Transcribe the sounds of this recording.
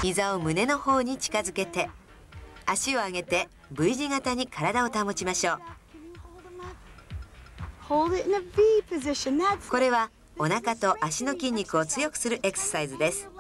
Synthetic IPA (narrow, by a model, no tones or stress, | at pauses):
çizao̞mɯ̟ne̞no̞ho̞ːɲ̟it͡ɕi̥kazɨke̞t̪e̞ | aɕio̞aɡe̞t̪e̞ | bɯ̟iʑiɡat̪aɲ̟ikʰaɾad̪ao̞t̪amo̞t͡ɕimaɕo̞ː | hoʊlˠdɪɾɨ̃nɨvipʰɨzɪʃɨ̃nðætko̞ɾe̞βa | o̞nakat̪o̞ʔaɕino̞kʲĩɲ̟ʲːikɯ̟o̞t͡sɨjo̞kɯ̟̥sɨɾɯ̟ʔe̞kɯ̥sḁsaizɨd̪e̞sɨ̥